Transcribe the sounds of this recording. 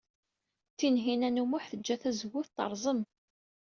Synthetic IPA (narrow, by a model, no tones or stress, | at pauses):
θinɦinænumʊħθəd͡ʒːæθæzəwːʊθt̪ə̰ɾˤzˤəm